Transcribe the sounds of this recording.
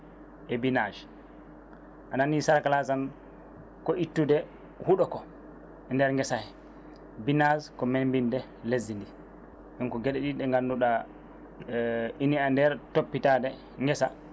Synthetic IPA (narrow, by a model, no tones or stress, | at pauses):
ʔɛbinad͡ʒ | ʔananisaɾkalasan | kɔʔitːudɛ | huɗɔkɔ | ɛndɛɾŋɡɛsahɛ | binazkɔmembindɛ | lezːindi | ɗɛnkɔɡeɗɛɗiɗɛŋɡanːduɗa | iniandɛɾtopːitadɛ | ŋɡɛsa